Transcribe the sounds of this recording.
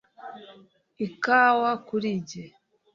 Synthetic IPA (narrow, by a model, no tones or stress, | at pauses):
ikawakuɾiɟe